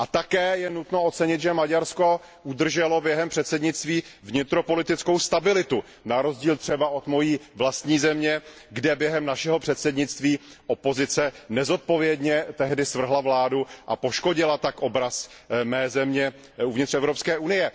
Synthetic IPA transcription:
ʔat̪akɛːjɛnut̪no̞ot̪t͡sɛɲɪt̪ʒɛmaɟaɾsko̞ | ʔud̪r̩ʒɛlo̞bjɛɦɛmpr̥ɛt̪sɛdɲɪt͡st̪viːvɲɪt̪ɾo̞po̞lɪt̪ɪt͡sko̞wst̪abɪlɪt̪u | naɾo̞zɟiːlt̪r̥ɛbaʔo̞t̪mo̞jiːvlast̪ɲiːzɛmɲɛɡdɛbjɛɦɛmnaʃɛɦo̞pr̥ɛt̪sɛdɲɪt͡st̪viːʔopo̞zɪt͡sɛnɛzo̞t̪̚po̞vjɛdɲɛt̪ɛɦdɪsvr̩ɦlavlaːduʔa̰po̞ʃko̞ɟɪlat̪akʔobɾasmɛːzɛmɲɛ | uvɲɪt̪rɛvɾo̞pskɛːʔunɪjɛ

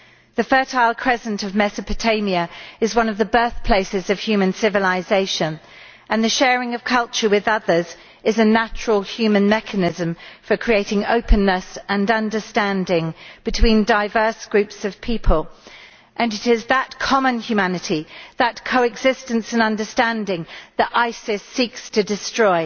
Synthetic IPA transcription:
ðɨfɜˑ˞tʰaɪlˠkʰɹ̥ɛzə̃ntəvmɛsəpɨtʰẽɪ̃miəɨzwʌ̃nʌvðəbɜˑ˞θpʰl̥eɪsɪzəv̥hjʉːmə̃nsɪvəlɪzeɪʃə̃n | ə̃nðɨʃɛːɹɪ̃ŋʌv̥kʰʌlˠt͡ʃə˞wɪðʌðə˞z | ɪzɨnæt͡ʃɹəlˠhjʉmə̃nmɛkʰənɪzə̃ɱfəkʰɹ̥ieɪtɪ̃ŋo̰ʊpʰə̃nːəsə̃nʌ̃ndə˞stæ̃ndɪ̃ŋb̥ɨtʰw̥ĩndaɪvɜ˞sɡ̥ɹʉpsʌv̥pʰipʰəlˠ | ʔɨ̃nɨɾɪzðətkʰɑmə̃njʉmænɨɾiðət̚kʰoʊɨɡz̥ɪstɨ̃nsɨ̃nʌ̃ndə˞stæ̃ndɪ̃ŋðəɾʔaɪsɪsikstʰɨdɨstɹ̥ɔɪ

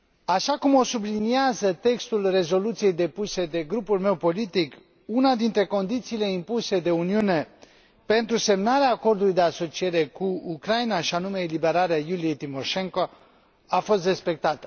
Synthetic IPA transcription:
aʃakumo̞subliniazət̪e̞kst̪ulre̞zo̞lut̪sije̞jd̪e̞puse̞d̪e̞ɡɾupulme̞wpo̞lit̪ik | unad̪int̪ɾe̞ko̞nd̪it̪siːle̞impuse̞d̪e̞uniune̞ | pe̞nt̪ɾuse̞mnaɾeaːko̞rd̪ulujd̪e̞aso̞t͡ʃie̞ɾe̞kuukɾajnaʃianume̞libe̞ɾaɾeajulijejt̪imo̞ʃe̞ŋko̞ | afo̞s̬t̪re̞spe̞k̚t̪at̪ə̥

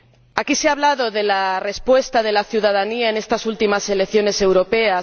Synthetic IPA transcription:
akiseaβlaðoðe̞lare̞spwe̞st̪aðe̞laθjuðaðaniae̞ne̞st̪asult̪imase̞lekθjo̞ne̞se̞wɾo̞pe̞a

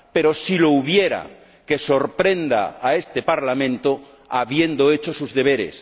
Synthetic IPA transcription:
pe̞ɾo̞silo̞uβ̞je̞ɾa̰ | ke̞so̞ɾpɾe̞nd̪a̰ːe̞st̪epaɾlamẽnt̪o | aβje̞nd̪oe̞t͡ʃosuzðe̞β̞e̞ɾḛs

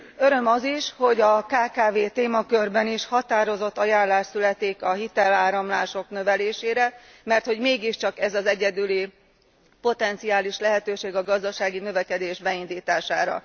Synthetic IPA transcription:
øɾø̞mɒziʃho̞ɟɒkaːkaːveːt̪eːmɒkørbɛniʃhɒt̪aːɾo̞zo̞t̪ːɒjaːnlaːʃsylɛt̪eːkɒɦit̪ɛlaːɾɒmlaːʃo̞knø̞vɛleːʃeːɾɛ | mɛrt̪ho̞ɟmeːɡiʃt͡ʃɒkɛzɒzɛɟɛd̪yli | po̞t̪ɛnt̪siaːliʃlɛɦɛt̪øːʃeːɡɒɡɒzd̪ɒʃaːɡinø̞vɛkɛd̪eːʒbɛind̪iːt̪aːʃaːɾɒ̰

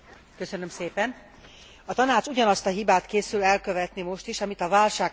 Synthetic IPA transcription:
køsønømseːpɛn | ɒt̪ɒnaːt͡ʃuɟɒnɒst̪ɒɦibaːt̪keːsylɛlkø̞vɛt̪nimo̞ʃt̪iʃɒmit̪ɒvaːlʃaːk

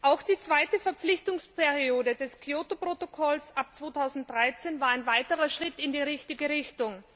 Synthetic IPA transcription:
ʔaʊxd̥iːt͡sv̥aɪtəfɛɐp͡flɪçtʊŋspʰɛɐʁioːdədɛskʰioːtopʁ̥otokʰɔlsʔap̚t͡sv̥oːtʰaʊzn̩t̚dʁaɪt͡senvaːɐaɪnvaɪtəʁɐʃʁ̥ɪtɪndiːʁɪçtɪɡəʁɪçtʊŋ

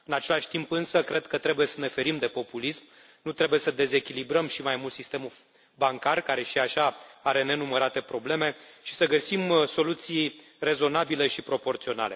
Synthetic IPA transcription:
ɨnat͡ʃe̞laʃʲt̪impɨnsəkɾe̞d̪kət̪ɾe̞buje̞səne̞fe̞ɾimd̪e̞po̞pulism | nut̪ɾe̞buje̞səd̪e̞ze̞kʲilibɾəmʃimajmult̪sist̪e̞mu | baŋkarkaɾe̞ʃiaʃaaɾe̞ne̞numəɾat̪e̞pɾo̞ble̞me̞ʃi̥səɡəsimso̞lut̪sij | re̞zo̞nabile̞ʃipɾo̞po̞rt̪sio̞na̰le̞

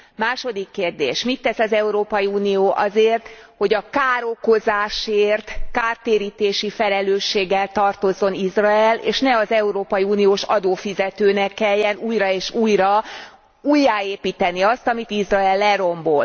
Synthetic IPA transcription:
maːʃo̞d̪ikːeːrd̪ḛːʃmit̪ːɛsɒzɛuɾoːpɒjiuːnijoːʔɒ̰zeːrt̪ho̞ɟɒkaːɾoko̞zaːʃeːrt̪kaːrt̪eːɾiːt̪eːʃifɛlɛløːʃːeːɡːɛlt̪ɒrt̪o̞zːo̞nizraɛlḛːʃnɛɒzɛuɾoːpɒjiuːnijoːʃɒ̰d̪oːfizɛt̪øːnɛkːɛlːɛnuːjrɒeːʃuːjrɒ | ujːaːeːpiːt̪ɛniɒst̪ɒmit̪izrɒɛlːɛɾo̞mbo̞l

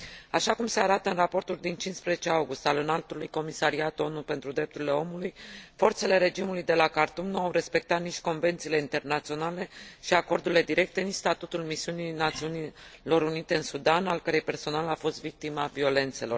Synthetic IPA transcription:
aʃakumse̞aɾat̪əɨnrapo̞rt̪uld̪int͡ʃinspɾezet͡ʃe̞awɡust̪alɨnalt̪ulujko̞misaɾiat̪o̞nupe̞nt̪ɾud̪ɾe̞p̚t̪uɾile̞o̞mulujfo̞rt̪se̞le̞ɾe̞d͡ʒimulujd̪e̞lakart̪umnuawɾe̞spe̞k̚t̪at̪nit͡ʃko̞nve̞nt̪sileint̪e̞rnat̪sio̞nale̞ʃiako̞rd̪uɾile̞d̪iɾe̞k̚t̪e̞nit͡ʃst̪at̪ut̪ulmisiuninat̪siunilo̞ɾunit̪e̞ɨnsud̪analkəɾe̞jpe̞rso̞nalafo̞st̪vik̚t̪imavio̞le̞nt̪se̞lo̞r

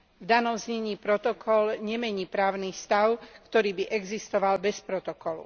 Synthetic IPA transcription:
vd̪anɔmzɲɛɲiːpɾɔt̪ɔkʰɔlɲɛmɛɲiːpɾaːʊnist̪aʊkt̪ɔɾiːbiʔɛɡzist̪ɔʋalbɛspɾɔt̪ɔkɔlṵ

